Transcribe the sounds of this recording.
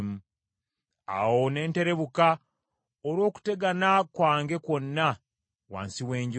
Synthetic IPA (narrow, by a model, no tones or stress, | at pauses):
mu | a̰wo̞ne̞ːnte̞ɾe̞βuka | oɾwo̞ːku̥te̞ɡanakwaːŋɡe̞ko̞nːa | wa̰ːnsiwe̞ːɲɟ